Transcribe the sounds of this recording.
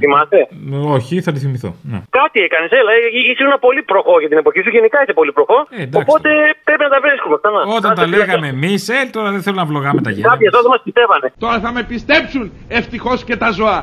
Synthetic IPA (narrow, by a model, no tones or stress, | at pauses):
θimɐst̪e̞oçiθɐt̪uθimiθo̰nḛkɐt̪iekɐneselɐeiisiunɐpo̞lipɾo̞xo̞ʝɐt̪ine̞po̞çisuʝenikɐiθepo̞lipɾoxo̞ed̪okpo̞t̪e̞pɾepinɐt̪ɐvɾiskumet̪ɐnɐo̞t̪ɐɐleɣɐme̞miselt̪o̞ɾɐðeθelumnɐvlo̞ɣɐmet̪ɐ̰ʝḛkɐpçɐzoɐðemɐspist̪e̞vɐne̞t̪o̞ɾɐθɐme̞pist̪e̞psun | e̞ft̪ixo̞sce̞t̪ɐzo̞ɐ